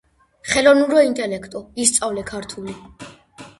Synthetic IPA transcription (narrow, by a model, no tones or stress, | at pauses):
χɛlɔvnuɾɔint̪ʼɛlɛkʰt̪ʼɔist̪sʼavlɛkʰaɾt̪ʰuli